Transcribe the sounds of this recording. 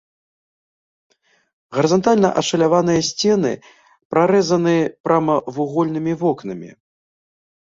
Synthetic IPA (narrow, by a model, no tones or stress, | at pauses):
ɣɐɾɨzant̪alʲnɐʔɐʂɐlʲavanɨjɐsʲt͡sʲɛnɨ̰ | pɾʔaɾɛzɐnɨpɾamɐvuɣɔlʲnɨmʲivɔknɐmʲḭ